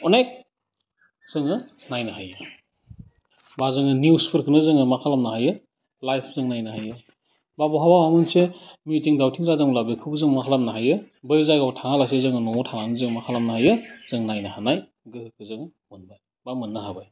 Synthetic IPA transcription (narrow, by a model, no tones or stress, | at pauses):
ɔnajk̚ | z̥ɯŋɯ | najnɯɦajɯ | bazɯŋɯnjuspʰɯɾkʰɯnɯzɯŋɯmakʰalamnahajɯ | lajpʰzɯŋnajnaɦajɯ | babɔɦabawamɯnsemitiŋdawtʰiŋzazɯŋlabikʰɯbɯzɯŋmakʰalamnaɦajɯ | bɯjzajɡawtʰaŋalasezɯŋɯnɔmɔtʰananɯzɯŋmakʰalamnaɦajɯz̥ɯŋnajnahanaj | ɡɯhɯkʰɯzɯŋɯ | mɯnbaj | bamɯnːaɦabaj